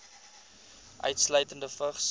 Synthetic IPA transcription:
ʔœ̰ɥtslœɥtəndəfəχs

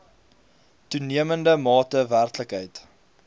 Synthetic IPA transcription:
tuniəməndəmɑːtəværtləkɦəjt

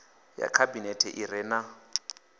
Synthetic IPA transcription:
ja̰kʰabinɛtʰɛʔirɛːna

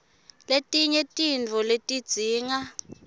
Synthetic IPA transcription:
letʼiɲɛtʼind͡vʱɔletʼid̥z̥ʱiːŋa

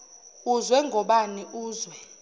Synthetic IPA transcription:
uzwɛŋɡʱɔɓaniʔuːzwɛ

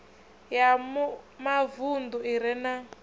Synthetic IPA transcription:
jammavund̪uiɾɛna

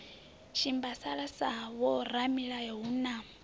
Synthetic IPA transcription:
ʃimbasaɺasawɔɾamiɺajɔɦuna

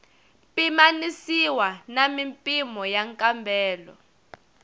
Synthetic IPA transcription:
pimanisiwanamimpʼimɔjaŋkʼambʱɛːlɔ̰

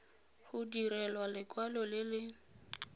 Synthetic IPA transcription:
hʊdiɾɛlwalɪkʼwalɔlɪlɪ

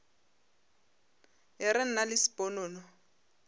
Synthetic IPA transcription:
ɦɛɾɪn̩nalɪsi̥pʼɔnɔːnɔ

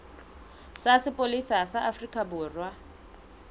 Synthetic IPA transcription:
sasɪpʼolisasaʔafrikʼabʊːrwa

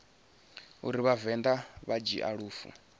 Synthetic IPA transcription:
uɾiβavɛnd̪aβad͡ʒḭʔaɺuːfṵ

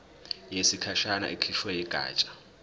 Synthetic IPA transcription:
jesikʰaʃana̰ʔikʰiʃwɛjɛɡ̥ʱa̰ːt͡ʃʼḁ

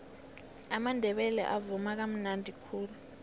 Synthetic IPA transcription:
amandʱɛɓɛlɛ̰ʔavumak̬am̩nandʱikʰuːlu

